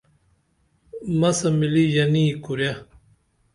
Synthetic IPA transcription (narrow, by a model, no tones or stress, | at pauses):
mɐsɐmilijɐnikuɾja